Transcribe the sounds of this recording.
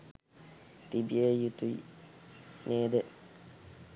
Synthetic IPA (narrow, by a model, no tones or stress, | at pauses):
t̪ibieːjut̪ui | neːd̪e